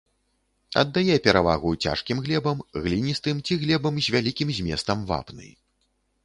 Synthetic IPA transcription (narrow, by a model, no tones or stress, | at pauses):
ɐ̰d̪ːajɛpʲɛɾava̰ɣut͡sʲa̰ʂkʲimɣlʲɛbɐmɣlʲinʲist̪ɨmt͡sʲiɣlʲɛbɐmzʲvʲalʲikʲimzʲmʲɛ̰st̪ɐmva̰pnɨ̰j